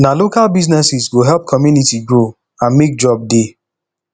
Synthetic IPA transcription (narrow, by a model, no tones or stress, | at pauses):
nalokalbiznɛsisɡoɦɛlp̚kʰɔmjunitiɡɹo | ãnmek̚d͡ʒɔb̚de